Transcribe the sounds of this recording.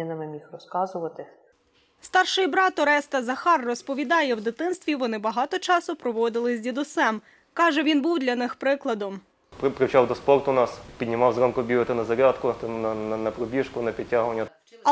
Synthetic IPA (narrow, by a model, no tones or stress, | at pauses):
nɐmɪmʲixrɔskɑzʊʋɐt̪ɪ | st̪ɑrʃɪjbɾɑt̪ɔɾɛst̪ɐzɐxɑrːɔspɔʋʲid̪ɑjɛwd̪ɪt̪ɪnst̪ʋʲiʋɔnɪbɐɦɑt̪ɔt͡ʃɑsʊpɾɔʋɔd̪ɪlˠɪzʲdʲid̪ʊsɛm | kɑʒɛʋʲinbuwd̪lʲɐnɪxpɾɪklˠɐd̪ɔm | ppɾɪwt͡ʃɑwd̪ɔspɔrt̪ʊnɑspʲid̪ʲnʲɪmɑwzɾɔmkʊbʲiʋɪt̪ɪnɐzɐɾʲat̪kʊt̪nɐnɐnɐpɾɔbʲiʃkʊnɐpʲid̚ʲtʲːaɦʊʋɐnʲːɐ